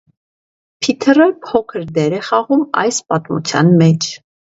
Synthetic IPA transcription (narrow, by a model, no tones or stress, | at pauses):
pʰit̪ʰərəpʰɔkʰəɾd̪ɛɾɛχɑʁumɑ̰jspɑt̪mṵt͡sʰjɑ̰nmɛt͡ʃʰ